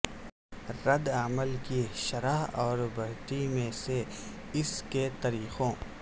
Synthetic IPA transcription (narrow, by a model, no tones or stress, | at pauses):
ɾɐd̪aməlkiʃɐɾaɦɔːɾbɐɾt̪imẽse | ɪsket̪ɐɾiːqõː